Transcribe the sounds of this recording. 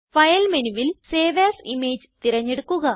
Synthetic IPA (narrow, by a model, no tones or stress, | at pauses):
fɐjɐlmenuʋilseːʋaːsimeːd͡ʑɨt̪iɾɐɲːe̞ɽukːuɣɐ